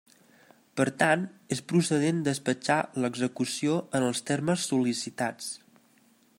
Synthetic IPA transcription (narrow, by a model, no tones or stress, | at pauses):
pəɾt̪anespɾusəð̞end̪əspəd͡ʒaləɡzəkusioənəlˠst̪erməsːulisit̪at͡s